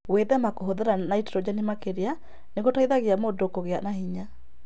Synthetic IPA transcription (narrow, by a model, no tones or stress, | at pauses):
weðɛmakoɦoðeɾanaiteɾɔd͡ʑanemakeɾea | neɣotaiðaɣeamoːdokoɣeanahiɲa